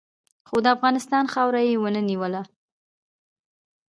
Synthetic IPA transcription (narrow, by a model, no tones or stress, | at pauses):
xod̪əafɣɑnɪst̪ɑnxɑwɾajewənəniwəla